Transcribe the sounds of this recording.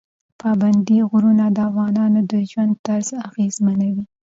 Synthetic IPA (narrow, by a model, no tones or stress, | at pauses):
pʰɑband̪iɣɾunad̪əafɣɑnɑnod̪əʒwand̪̚t̪aɾzaɣezmanawi